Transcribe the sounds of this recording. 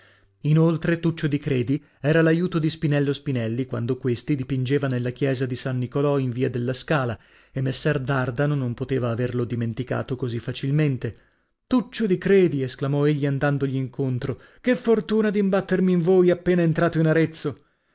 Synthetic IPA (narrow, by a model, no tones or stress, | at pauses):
inolt̪ɾet̪ut͡ʃːod̪ikɾeːd̪i | ɛːɾalajuːt̪od̪ispinɛlːospinɛlːikwa̰nd̪okwest̪id̪ipind͡ʒevanelːakjɛːzad̪isanːikolɔiɱviːad̪elːaskaːla | emːesːɛrd̪ard̪anonompot̪eːvaːverlod̪iment̪ika̰ːt̪okozifːat͡ʃilment̪e | t̪ut͡ʃːod̪ikɾeːd̪iesklamɔeʎːiand̪and̪oʎiːŋkont̪ɾo | kefːort̪uːnad̪imbat̪ːermiːɱvoːjapːeːnaent̪ɾaːt̪oinaɾet̪sːo